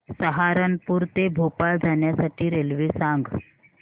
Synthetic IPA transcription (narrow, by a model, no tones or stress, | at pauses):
səɦaɾənpuːɾt̪ebʱopald͡zʱaɳjasaʈiːɾelʋesãŋɡ